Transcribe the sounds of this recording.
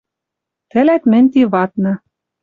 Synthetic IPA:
t̪ɘ̆læt̪mɘ̆nʲt̪iβɑt̪nɤ̆

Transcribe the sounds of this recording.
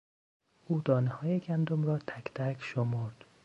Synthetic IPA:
ʔuːd̪ɒːnehɒːjeɟʲænd̪omrɒːt̪ʰækt̪ʰækʰʃomoɾd̪̥

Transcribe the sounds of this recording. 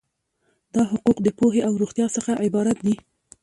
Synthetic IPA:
d̪̥ɑɦʊquqd̪əpoɦeʔawɾuxt̪jɑsəxaʔɪbɑɾat̪̚d̪i

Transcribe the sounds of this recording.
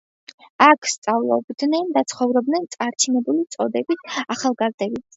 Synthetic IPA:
akʰst̪sʼavlˠɔ̰bd̪nɛnd̪at̪sʰχɔvɾɔb̚d̪nɛnt̪sʼaɾt͡ʃʰinɛbulit̪sʼɔd̪ɛbisaχalˠɡazd̪ɛbit̪s

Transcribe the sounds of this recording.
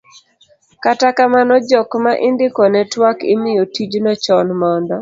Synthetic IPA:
katakamanɔd͡ʒɔkmaʔɪndɪkɔnɛtwakɪ̰mɪjɔtid͡ʒnɔt͡ʃɔnmɔndɔ

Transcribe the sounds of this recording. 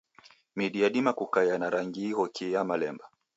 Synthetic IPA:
miɗiaɗimakukajanaɾaŋɡiihɔkʰiamalɛmba

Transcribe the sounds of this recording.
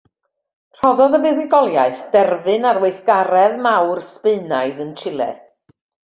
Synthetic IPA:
r̥ɔðɔðəvɛðɪɡɔlˠjaɨθd̥ɛrvɨnaɾweɨθɡ̥aɾɛðmawrspɨɨnaɨðəntʰɪlˠɛ̰

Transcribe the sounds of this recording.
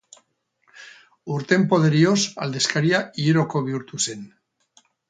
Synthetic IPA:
uɾt̪empoð̞eɾiosa̰ld̪eskaɾiaieɾokoβjuɾt̪usen

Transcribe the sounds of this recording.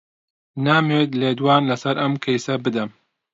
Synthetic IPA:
naːmeːt̪leːd̪waːnlɐsɐɾɐmkʰɐjsɐbɨd̪ɐm

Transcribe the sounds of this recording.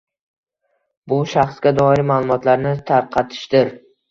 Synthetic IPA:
bʊʃaχsɡʲad̪ɒɪɾɪmalˠʊmɒt̪laɾnɪt̪ʰaɾqʰɑt̪ʰɪ̥ʃd̪ɪɾ

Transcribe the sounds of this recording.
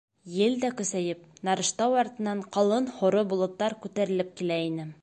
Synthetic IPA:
jɘld̪ækɵ̆sæjɘp̚nɑɾɤ̆ʃt̪ɑwɑɾt̪ɤ̆nɑɴqɑlˠɤnhŏɾobŭlˠɤ̆t̪ːɑɾkʉt̪æɾɘ̆lɘp̚kilæinɘ

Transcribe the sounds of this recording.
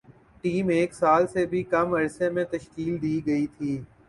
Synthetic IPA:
ʈiːmeːksaːlsebʱikɐmɐɾsemẽt̪ɐʃkiːld̪iːɡɐit̪ʰiː

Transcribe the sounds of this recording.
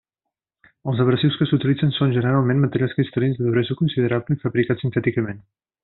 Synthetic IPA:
əlˠzəβɾəsiwskəsut̪ilid͡zənsonʲʒənəɾalˠmẽnmət̪əɾjalˠskɾist̪əɾinzðəðuɾɛzəkunsiðəɾaβləifəβɾikat͡ssint̪ɛt̪ikəmen

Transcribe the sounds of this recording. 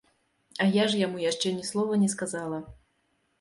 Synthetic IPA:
ɐjaʐjamujaʂt͡ʂɛnʲɛslˠɔvɐnʲɛskazalˠɐ

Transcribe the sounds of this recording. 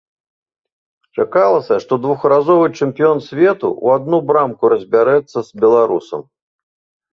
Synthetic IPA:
t͡ʂakalˠɐsʲɐʂt̪ɔd̪vuxɾazɔvɨt͡ʂɨmʲpʲijɔnsʲvʲɛt̪ṵṵad̪̚nubɾamkuɾɐzʲbʲaɾɛt̪sːɐz̥ʲbʲɛlˠaɾusɐ̰m

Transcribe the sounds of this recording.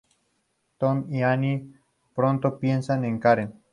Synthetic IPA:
t̪omiani | pɾont̪opjensaneŋkaɾen

